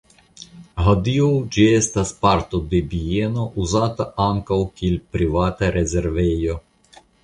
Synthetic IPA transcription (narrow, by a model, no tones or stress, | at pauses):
ɦod̪iowd͡ʒiest̪aspaɾt̪od̪ebienoʔuzat̪aʔaŋkawkielʲpɾivat̪aɾʔezeɾvejo